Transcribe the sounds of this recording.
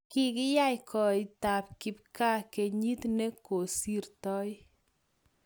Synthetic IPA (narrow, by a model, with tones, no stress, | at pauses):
kɪ˦kɪ˦ja˦jkʰɔ˨ɪ˨ta˨p̚kɪ˨p̚ka˦ke˨ɲi˦tne˦ko˨si˦rtɔ˦j